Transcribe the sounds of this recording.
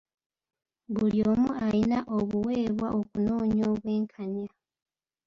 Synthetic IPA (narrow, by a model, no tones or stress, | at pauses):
βuljoːmuajinaʔoβuwe̞ːβwaʔokuno̞ːɲoːβwe̞ːŋkʰaɲa